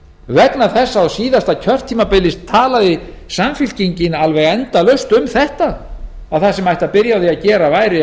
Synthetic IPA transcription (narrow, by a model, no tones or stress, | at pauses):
vɛt̪naθɛsːaawsiːðast̪acʰœr̥t̪ʰːiːmapɪlːɪst̪ʰːaːlaðɪ | samfɪl̥ciɲcɪnalvɛɣɛnt̪alœɥst̪ʏmθɛht̪aː | wθasɛmajht̪apɪɾjawðiaðcɛːɾavaːjɾɪ